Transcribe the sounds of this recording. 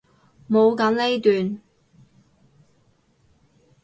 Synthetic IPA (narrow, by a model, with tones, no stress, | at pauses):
mo˨˧wkɐ˨˥mle˥jt̪yː˨n